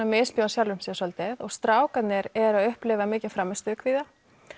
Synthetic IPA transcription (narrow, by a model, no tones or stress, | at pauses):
amɪspjowasjawlvʏmsɛaœlt̪ɪðɔɣst̪ɾaːwkat̪nɪɾɛɾaðʏhplɪvamːcɪ̥fɾamːɪst̪ʏkʰviːða